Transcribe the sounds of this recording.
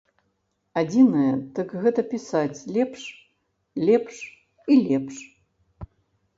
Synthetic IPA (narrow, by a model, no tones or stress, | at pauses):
ad͡zʲinɐjɛd̪ɨkɣɛt̪ɐpʲisat͡sʲlʲɛpʂ | lʲɛpʂ | ilʲɛpʂ